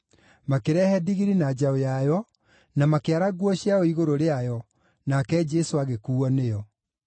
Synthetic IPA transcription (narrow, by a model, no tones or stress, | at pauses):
makeɾɛhɛdiɣiɾinad͡ʑaojajɔ | namakeaɾaɣwɔɕiaoiɣoɾoɾeajɔ | nakɛd͡ʒɛsoaɣekuːɔnejɔ